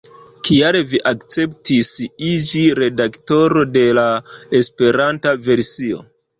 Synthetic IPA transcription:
kiaɾeviʔakt͡se̞ptisid͡ʒiɾe̞dakto̞ɾo̞de̞laespe̞ɾantave̞ɾsio̰

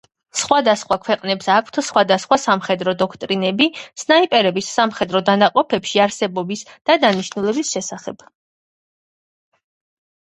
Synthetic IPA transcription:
sχwad̪asχwakʰwɛqʼnɛpsakʰt̪ʰsχwad̪asχwasamχɛd̪ɾɔd̪ɔkʰt̪ʼɾinɛbisnaipʼɛɾɛbisːamχɛd̪ɾɔd̪anaqʼɔpʰɛpʃiaɾsɛbɔbisd̪̥ad̪aniʃnulɛbisʃɛsaχɛb̥

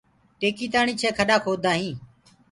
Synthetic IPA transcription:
ʈeːkiːt̪aːɳiːt͡ʃʰeːkʰəɗaːkʰoːd̪ʱaːɦĩː

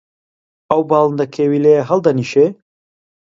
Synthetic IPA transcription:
ɐwbɑːlˠɨnd̪ɐkʰeːwiːlejɐɦɐlˠd̪ɐniːʃe

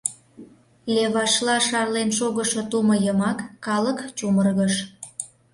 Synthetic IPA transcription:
leβɑʃlɑʃɑrlenʃoɣəʃot̪umə̆jəmɑkːɑləkt͡ɕumərɣəʃ

